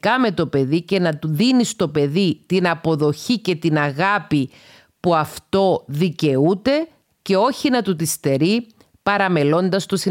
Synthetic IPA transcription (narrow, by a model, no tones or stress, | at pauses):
kɐme̞t̪o̞pe̞ðice̞nɐt̪uðinist̪o̞pe̞ðit̪inɐpo̞ðo̞çice̞t̪inɐɣɐpi | puɐft̪o̞ðice̞ut̪e̞ | ce̞o̞çinɐt̪ut̪ist̪e̞ɾi | pɐɾɐme̞lo̞nd̪ɐst̪o̞si